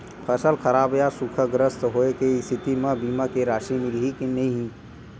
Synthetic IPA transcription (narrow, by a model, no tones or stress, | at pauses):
pʰəsəlkʰəɾaːbjasukʰəɡɾəst̪ɦoːekeɪst̪ʰɪt̪imãbiːmakeɾaːʃimɪlɦikinɐɦĩɦĩː